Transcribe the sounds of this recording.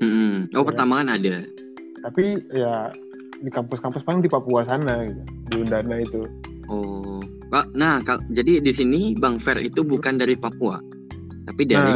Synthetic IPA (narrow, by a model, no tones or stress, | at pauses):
m̩m̩ʔopərt̪amakanada | t̪apija | dikampʊskampʊspalɪŋdipapuasanadiundanait̪u | ʔɔ | kanahkad͡ʒadidis̬inibaŋfɛrḭt̪ubukandaɾipapua̰ | t̪apidaɾi